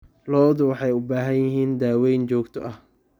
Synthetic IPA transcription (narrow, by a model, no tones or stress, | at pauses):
lɔːðʊwɑħɑjʊbaːɦɐnjɪɦiːnd̪aːwɛjnt͡ʃɔːɡt̪ʰɔ̰ʔɐh